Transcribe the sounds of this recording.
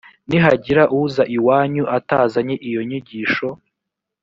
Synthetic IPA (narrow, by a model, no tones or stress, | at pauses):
niɦaɟiɾaʔuzaʔiwaːɲuʔataːzaɲeʔijo̞ɲiɟiːʃo̞